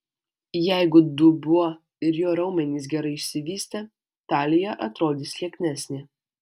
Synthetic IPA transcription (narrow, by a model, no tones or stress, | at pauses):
jæɪɡʊd̪ubuɔ | ɪɾjoːɾɐʊmʲɛnʲiːs̬ɡʲɛɾɐɪɪʃʲsʲɪʋʲiːsʲt̪ʲɛ | t̪ɑːlʲɪjɛʔɐt̪ɾoːd̪ʲiːsʲlʲiɛkʲnʲæsʲnʲɪ